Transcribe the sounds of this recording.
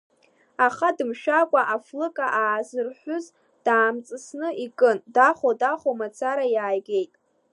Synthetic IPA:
aχadɨmʃᶣakʷʼaʔaflɨkʼaʔaːzɨrħʷʊz | d̥aːmt͡sʼɨsnɨikʼɨndaχodaχomat͡sʰaɾajaːjɡʲe̞jtʼ

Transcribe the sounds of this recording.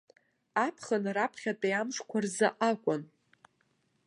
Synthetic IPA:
apʰχənrapʰχʲatʼejamʂkʷʰarzaʔakʷʼʊn

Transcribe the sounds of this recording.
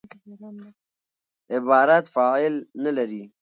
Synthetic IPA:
ɪbɑːɾat̪fɑːɪlnalaɾi

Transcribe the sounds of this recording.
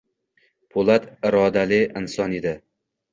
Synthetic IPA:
pʰolˠat̪ɪɾɒd̪alɪʔɪnsɒned̪ɪ

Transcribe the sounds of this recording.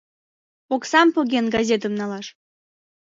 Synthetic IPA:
oksɑmpoɣʲenɡɑzʲet̪ə̆mnɑlɑʃ

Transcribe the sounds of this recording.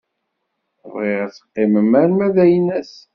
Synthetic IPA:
viʁæt͡sːə̥qːɪməmæɾmæðæjnæs

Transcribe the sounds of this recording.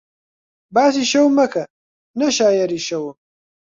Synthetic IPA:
baːs̬iʃɐwmɐkʰɐ | nɐʃaːjɐɾiːʃɐwəm

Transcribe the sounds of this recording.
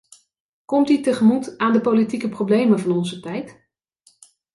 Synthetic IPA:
kɔmtytəχəmutaːndəpowlitikəprowblejmənvɑnɔnzətɛjt

